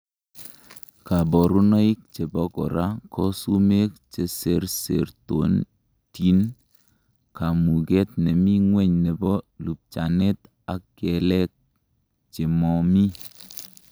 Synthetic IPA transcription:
ka˨bɔ˨ɾu˦nɔ˦i˦k̚t͡ʃe˨bɔ˦kɔ̰˨ɾa˦kʰɔ˦su˦me˦k̚t͡ʃe˨se˨ɾsḛ˨ɾto˨n | ti˦n | ka˨mu˨ɡɛ˦t̚ne˨mi˦ŋwɛ˦ɲne˨bɔ˦lu˨p̚t͡ʃa˨ne˦t | a˦kːɛ˨lɛ˦k̚ | t͡ʃe˨mɔ˨mi˦

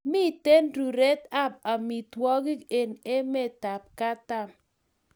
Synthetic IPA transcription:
mɪ˦te˦nɾu˨ɾe˦ta˦p̚a˨mi˨twɔ˦ɡɪ˦ke˨ne˦mɛ˦ta˨p̚ka˦ta˦˨m

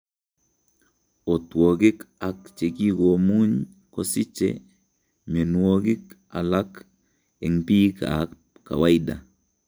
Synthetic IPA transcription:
o˨two˨ɡɪ˦ka˨k̚t͡ʃe˨ki˦ko˨mu˦ɲ | ko˦sɪ˦t͡ʃḛ˨ | me˨nwo˦ɡɪ˦k | a̰˨la˦k | e˨ŋpi˦ka̰˨ | kːa̰˨wa˦ida̰˨

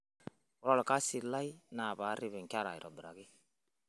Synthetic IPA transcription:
wɔ˨ɾɔ˦lɔ˨ka˦si˨la˦i˦naː˨βaː˨˦ɾi˦βɛ˨ŋ̩˨ka˦ɾa̰˨i˨ɾɔ˨bi˨ɾa̰˨ɡɪ˦

